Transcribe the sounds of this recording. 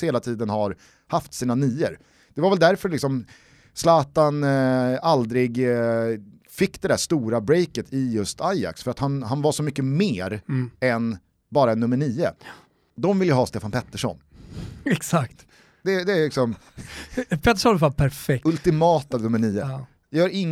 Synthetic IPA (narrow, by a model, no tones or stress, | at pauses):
heːlat̪ʰiːd̪ənhaɾ | haft̪siːnaniːəɾ | d̪̥ɛvaɾvɛld̪æɾfœɭɪksɔm | slɑːt̪anald̪ɾɪɡ | fɪkːd̪ɛd̪æʂt̪uːɾabɾɛjkət̪ʰɪjɵst̪ʰaja̰ksfœɾat̪hanhanvaʂɔmʏkːəmeːɾɛn | bɑːɾaɛnːɵmːəɳiːə̰ | d̪ɔmvɪljəɦɑːst̪eːfanpʰɛt̪ːəʂɔ̰nɛksakt̪ | d̪̥ɛd̪ɛːlɪksɔm | pʰɛt̪ːəʂɔnfapʰæɾfɛk̚ɵlt̪ɪmɑːt̪anɵmːəɳiːə | jjœːɾɪŋː